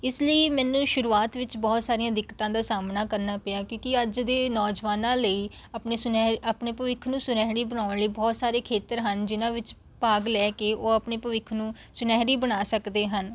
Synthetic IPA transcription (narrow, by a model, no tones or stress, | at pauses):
ɪsləiːmɛːnũːʃʊɾuːaːt̪ʋɪt͡ʃbɔːt̪saːɾijãːd̪ɪkːt̪ãːd̪aːsaːmnaːkəɾnaːpɪjaːkjõːkɪəd͡ʒd̪eːnɔːd͡ʒʋaːnãːləiː | əpneːsʊnɛɦəpɳeːpəʋɪkʰnũːsʊnɛːɦɾiːbənaːʊɳləiːbɔːt̪saːɾeːkʰeːt̪əɾɦənd͡ʒɪnãːʋɪt͡ʃ | paːɡlɛːkeːʔoːəpɳeːpəʋɪkʰnũːsʊnɛːɦɾiːbənaːsəkd̪eːɦən